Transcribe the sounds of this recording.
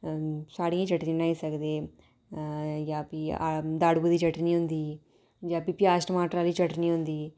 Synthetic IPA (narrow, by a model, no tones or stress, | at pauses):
saːɽiẽt͡ʃɐʈninaːisɐɡd̪eː | jaːpia̰d̪aːɽbud̪it͡ʃɐʈniond̪iː | d͡ʒaːpipjaːsʈɐmaːʈɾaːlit͡ʃɐʈniond̪iː